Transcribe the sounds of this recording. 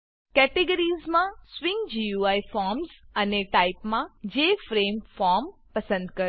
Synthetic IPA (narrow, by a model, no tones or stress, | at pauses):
kɛʈeɡəɾizmãswiŋɡd͡ʒiuajfɔɾmzəneʈaipmãd͡ʒefɾemfɔɾmpəsə̃nd̪kəɾ